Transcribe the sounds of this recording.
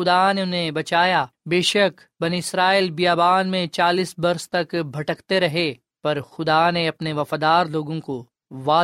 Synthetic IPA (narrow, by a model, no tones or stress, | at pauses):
ʊd̪aneʊnɦebɐt͡ʃaːjabeːʃɐk | bɐniɪsɾaːilbijaːbaːnmẽt͡ʃaːliːsbɐɾst̪ɐkbʱɐʈəkt̪eɾɐɦe | pɐɾxʊd̪aneɐpneʋɐfaːd̪aːɾloːɡõko | ʋaː